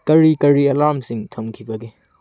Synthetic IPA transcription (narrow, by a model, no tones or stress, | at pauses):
kɐɹikɐɹiɐlamsiŋt̪ʰəmkʰibɐɡe